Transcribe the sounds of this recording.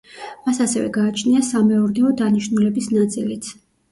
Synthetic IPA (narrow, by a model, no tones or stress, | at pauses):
masasɛvɛ̰ɡaːt͡ʃʰniasamɛɔɾnɛɔd̪aniʃnulɛbisnat̪sʼilit̪sʰ